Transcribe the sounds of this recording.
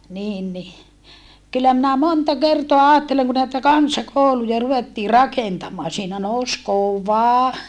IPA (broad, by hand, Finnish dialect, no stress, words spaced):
niːn ni kylːæ minæ montɑ kertoɑ ɑːtːeleŋ ku næitæ kɑnsɑkoˑulujɑ ruʋetːiː rɑkentɑmˑɑː siːnæ nous koʋɑ